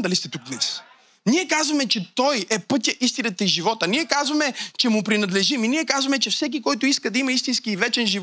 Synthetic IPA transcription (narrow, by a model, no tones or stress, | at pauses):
d̪ɐlist̪ɛt̪uk̚d̪nɛs | niɛkazvɐmɛt͡ʃɛt̪ɔjɛpɤt̪ʲjəʔist̪inət̪ɐiʒivɔt̪ənʲiɛkazvɐmɛt͡ʃɛmʊpɾinɐd̪lɛʒiminiɛkazvɐmɛt͡ʃɛfsɛk̬ikɔjt̪ʊiskəd̪ɐimɐist̪inskiːvɛt͡ʃɛnʒiv